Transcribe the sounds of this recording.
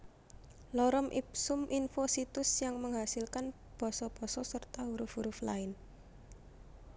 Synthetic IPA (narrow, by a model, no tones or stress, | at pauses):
lɔɾɔmʔipsʊmʔinfosit̪ʊsjaŋməŋɦasilkan | b̥ɔ̤sɔb̥ɔ̤sɔsərt̪auɾʊfuɾʊflaɪn